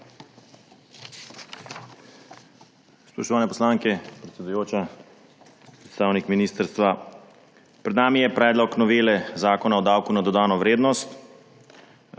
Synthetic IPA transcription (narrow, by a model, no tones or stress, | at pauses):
spɾɔʃt̪ɔʋaːnɛpɔslaŋkɛpɾɛt̪sʲɛd̪ujoːt͡ʃa | pɾɛt̪st̪aːwnikminiːst̪əɾst̪ʋa | pɾɛd̪naːmijɛpɾɛːd̪lɔknɔʋeːlɛzaːkɔnaɔd̪aːwkunad̪ɔd̪aːnɔʋɾeːd̪nɔst̪